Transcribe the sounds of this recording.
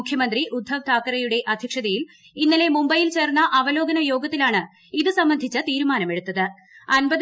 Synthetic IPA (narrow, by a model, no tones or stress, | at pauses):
ukʰjɐmɐnd̪riʔud̪ʱːɐʋt̪ʰaːkːɐɾɐjuɽe̞ʔɐd̪ʱjɐkʂɐðɐjil | inːile̞mumbɐjilt͡ɕe̞ːrnːɐʔɐʋɐlo̞ːɡɐnɐjo̞ːɡɐt̪ːilaːɳɨ | iðɨsɐmbɐnd̪ʱit͡ɕːɐt̪iːɾumaːnɐme̞ɽut̪ːɐðɨ | ɐnbɐð